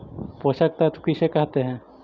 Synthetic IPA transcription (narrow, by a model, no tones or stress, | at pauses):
posak̚t̪at̪ukiʃekaɦt̪eɦɛ̃